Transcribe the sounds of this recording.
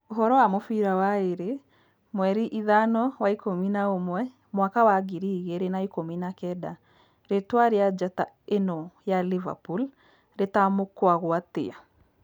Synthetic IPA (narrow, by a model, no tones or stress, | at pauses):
oɦɔɾɔwamofiɾawaeɾe | mwɛɾiʔiðanɔwaikominaomwɛ | mwakawaɡiɾiɣeɾenaikominakɛda | ɾetwaɾejad͡ʒata | enɔjaliva̰pul | ɾetamokwaɣwatḛa